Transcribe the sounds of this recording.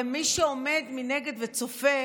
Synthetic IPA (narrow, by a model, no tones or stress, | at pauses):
miʃeome̞d̪mineɡe̞d̪vet͡sofe